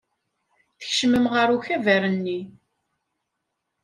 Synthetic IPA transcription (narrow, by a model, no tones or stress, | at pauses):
θə̥çʃməmʁəɾuçævæɾənːi